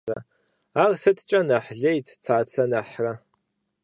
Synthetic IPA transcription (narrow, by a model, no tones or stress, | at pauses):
ɐ̰ | arsɨtʰt͡ʃʼɐnaħɮejtʰt͡sʰaːt͡sʰɐnaħrɐ